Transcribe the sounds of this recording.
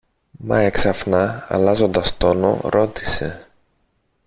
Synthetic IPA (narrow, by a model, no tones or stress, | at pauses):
mɐ̰eksɐfnɐɐ̰lɐzo̞nd̪ɐst̪o̞no̞̰ɾo̞t̪i̥se̞̰